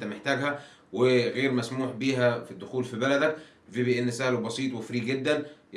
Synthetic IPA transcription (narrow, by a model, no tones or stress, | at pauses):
t̪æmeħt̪æːɡhæ | weɣeːɾmæsmuːħbiːɦæfid̪ːʊxuːlfibælæd̪æk | bibiʔenːɪsæːlobɑsˤiːt̪ˤwɪfɾiːɡɪd̪ːæn